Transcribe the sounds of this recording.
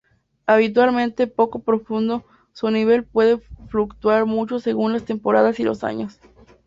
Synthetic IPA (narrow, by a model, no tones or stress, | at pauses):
aβ̞it̪̬walmẽnt̪epo̞kopɾo̞fũnd̪o̞ | suniβe̞lpwe̞ðe̞flukt̪waɾmut͡ʃo̞se̞ɣunlast̪e̞mpo̞ɾaðasilo̰sa̰ɲo̞s